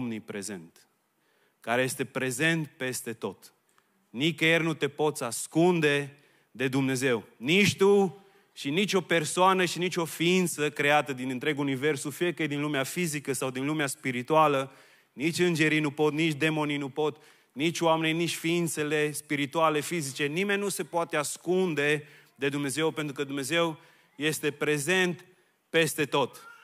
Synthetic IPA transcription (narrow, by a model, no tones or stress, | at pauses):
mnipɾe̞ze̞̰nt̪ | kaɾeje̞st̪e̞pɾe̞ze̞nt̪pe̞st̪e̞t̪o̞t̪ | nikjernut̪e̞po̞t̪saskund̪e̞ | d̪e̞d̪umne̞ze̞wnit͡ʃʲt̪u | ʃinit͡ʃʲo̞pe̞rsoanəʃinit͡ʃʲo̞fiint̪səkɾe̞at̪əd̪inɨnt̪ɾe̞ɡuunive̞rsufiekejd̪inlumeafizikəsawd̪inlumeaspiɾit̪ualə | nit͡ʃʲɨnd͡ʒe̞ɾijnupo̞t̪nit͡ʃʲd̪e̞mo̞ninupo̞t̪ | nit͡ʃʲoameninit͡ʃʲfiint̪se̞le̞spiɾit̪uale̞fizit͡ʃe̞nimenʲːuse̞poat̪easkund̪e̞ | d̪e̞d̪umne̞ze̞wpe̞nt̪ɾukəd̪umne̞ze̞w | je̞st̪e̞pɾe̞ze̞nt̪ | pe̞st̪e̞t̪o̞t̪